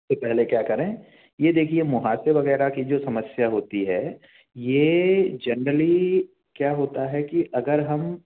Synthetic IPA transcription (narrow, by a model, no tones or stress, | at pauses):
sepɛɦlekjaːkɐɾẽː | jed̪eːkʰiemʊɦaːseɾʋɐɣɛːɾakid͡ʒoːsɐməsjaɦoːt̪iɦɛː | jed͡ʒɐnɾəli | kjaːɦoːt̪aɦɛkiʔɐɡəɾɦɐm